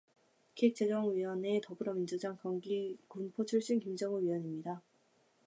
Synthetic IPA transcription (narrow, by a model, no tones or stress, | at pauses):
kʰek̚t͡ɕ͈ed͡ʑʌŋɥiʌne̞tʌbɯɾʌmind͡ʑud͡ʑaŋkʌŋɡikunpʰot͡ɕʰuɭɕ͈inkimd͡ʑʌŋuɥiwʌɲimɲida